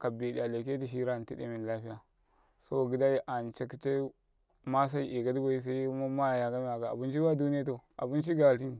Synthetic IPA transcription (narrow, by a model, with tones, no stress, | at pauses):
ka˨bi˨ɗi˨a˨le˨ke˦ti˨ʃ̬i˦ɾa˦˨n˨ti˦dḛ˦mi˨n˨la˦ɸi˦ja˨ | so˦˨ɡi˦da˦ji˦ʔa˨nt͡ʃa˨ki̥˨t͡ʃe˦ | ma˦s̬a˦i˦ʔe˨ɡa˦di˦ba˦i˦s̬a˦i˦ma˦ma˦˨ja˨ɡa˦mi˦a˨ka˨a̰˨bu˦nt͡ʃi˦ba˦du˦ni˦ja˦to˨a̰˨bu˦nt͡ʃi˦ɡa˨ti˦n˨